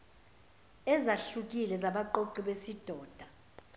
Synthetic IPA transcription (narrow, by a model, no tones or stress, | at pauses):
ɛzaɬuk̬ʼilɛzaɓaǃoǃiɓesid̥ʱɔːd̥ʱa